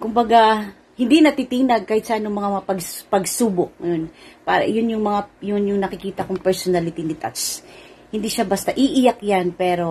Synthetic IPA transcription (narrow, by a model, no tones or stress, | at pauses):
kʊmbɐɡa | hɪnd̪inɐt̪it̪inɐɡ̚kahɪt̪̚sɐʔanːʊŋmɐŋampɐɡpɐɡsuːbok̚ŋɐjonpaːɾɐ̰jʊnjʊŋmɐŋajʊnjʊŋnɐkɪkiːt̪ɐkʊŋpɛɹsonalɪt̪inɪt̪a̰t̪t͡ʃhɪnd̪iʃabɐst̪aʔiʔɪjakjanpɛːɾo̞